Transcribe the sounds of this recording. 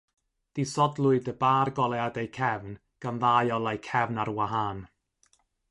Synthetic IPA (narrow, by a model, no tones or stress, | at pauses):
d̥isɔdlˠʊɨdəbaːrɡɔlˠɛadejkʰɛvn | ɡ̥anðajɔlˠajkʰɛvnaɾwaɦan